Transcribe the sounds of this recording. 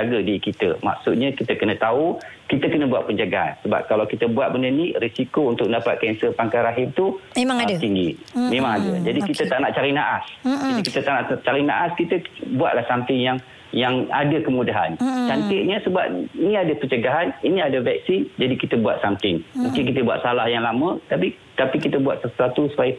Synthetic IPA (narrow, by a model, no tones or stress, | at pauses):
d͡ʒaɡədikit̪ə̰ma̰k̚sut̪̚ɲəkit̪əkənə̃t̪au | kit̪əkənəbuaʔ̪̚pəɲd͡ʒaɡaa̰nsəba̰p̚kalawkit̪əbuat̪̚bəndənirisikount̪ʊk̚dapat̪̚kɛnsəpaŋkaɾaɦɪmt̪umeaŋt̪iŋɡimemaŋadəd͡ʒadikit̪ət̪aʔnaʔt͡ʃaɾinaʔasd͡ʒadikit̪ət̪aʔnaʔt͡ʃaɾinaʔaskit̪əbuaʔ̪lahsamt̪ɪŋjaŋ | jaŋa̰dəkəmudaɦa̰nt͡ʃant̪iʔɲəsəba̰p̚iniadəpəɲd͡ʒəɡaɦaniniadəvɛk̚sind͡ʒadikit̪əbua̰t̪̚samt̪ɪŋmũŋkɪnk̬it̪əbua̰t̪̚salahjaŋlamə̃t̪api | t̪apikit̪əbua̰t̪̚sərt̪at̪usu̥pajə